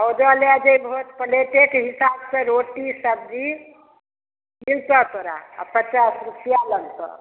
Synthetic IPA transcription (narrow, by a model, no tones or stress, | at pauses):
əwd͡ʒəlad͡ʒejbʱot̪pəleʈekɦisabsẽɾoʈisəb̚d͡ʒi | milt̪ət̪oɾa̰ə̰pət͡ʃasɾusijalənsə̰̃